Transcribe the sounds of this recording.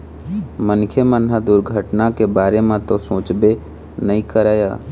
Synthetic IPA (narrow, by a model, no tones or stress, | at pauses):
mənkʰemənɦad̪ʊɾɡʱəʈnakebaːɾemãt̪osõːt͡ʃbe | nəɦĩkəɾaːja̰ː